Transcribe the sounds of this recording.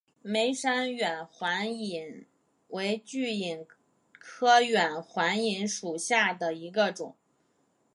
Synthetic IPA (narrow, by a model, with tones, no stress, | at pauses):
me˧˥ɪʂa˥nɥɛ˨˩nxwa˧˥ni˨˩n | we˧˥ɪt͡ɕy˥˩i˨˩n | kʰɤ˥ɥɛ˨˩nxwa˧˥ni˧˥nʂu˨˩ɕja˥˩d̪ə˩i˧˥ɡə˧ʈ͡ʂʊ˨˩˦ŋ